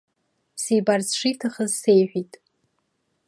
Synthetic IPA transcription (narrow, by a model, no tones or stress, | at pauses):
sijbarzʂijtʰaχəzsejħʷᶣitʼ